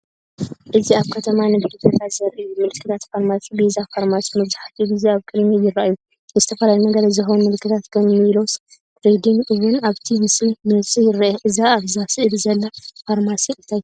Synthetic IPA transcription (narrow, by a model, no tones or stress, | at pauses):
ʔɨziaβkʰɐt̪ʰɐmanɨɡɨd̪ɨd̪ɐt̪ʰazɐɾʔɨjumɨlɨkʰːɨt̪ʰat̪faɾmasibizafaɾmasi̥mɐβzaħḁt̪juɡɨzeaβkʼɨd̪mejɪraʔaju | ɨzɨt̪ʰɐfɐlalinɐɡɐɾazɨxɐwnmɨlɨkːɨt̪ʰat̪kʰɐnmilos | ɾed̪iŋɡʔɨβɨnaβt̪ʰimɨslimɨnɨt͡sʼijɪɾaʔeʔɨzaːβzasiʔɨdzɐlːafaɾmasiʔɨnt̪ʰaju